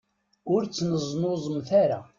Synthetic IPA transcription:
ʊɾt͡sːnəzˤnozˤəmθaɾa

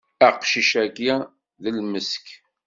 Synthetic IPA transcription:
əqʃiʃæɡjæ | ðəlməsk

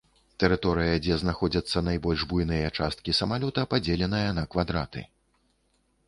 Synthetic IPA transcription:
t̪ɛɾɨt̪ɔɾɨjɐd͡zʲɛznaxɔd͡zʲɐt̪sːɐnajbɔlʲʐbujnɨjɐt͡ʂast̪kʲisɐmalʲɔt̪ɐpad͡zʲɛlʲɛn̪ɨjɐnɐkvad̪ɾat̪ɨ̰

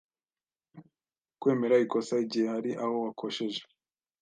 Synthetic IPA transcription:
kwe̞ːme̞ɾaiko̞saiɟihe̞haɾiʔaho̞wakʰoʃe̞ʒe̥

